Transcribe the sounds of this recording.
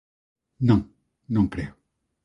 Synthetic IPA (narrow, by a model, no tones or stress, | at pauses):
nɔ̃ | nɔ̃plɛʁ